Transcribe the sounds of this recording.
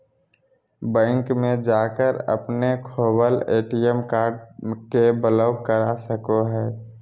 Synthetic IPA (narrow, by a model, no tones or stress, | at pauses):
bɛ̃ːŋkmẽd͡ʒaːkəɾə̰pnekʰoːbəleːʈijəmkaːɾɖkebələʊkəɾasəkoɦɛː